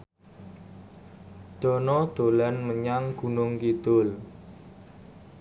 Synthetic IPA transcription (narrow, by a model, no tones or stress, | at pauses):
d̪̥ɔ̤nɔd̪̥olanməɲaŋɡ̥ṳnʊŋkid̪̥ʊl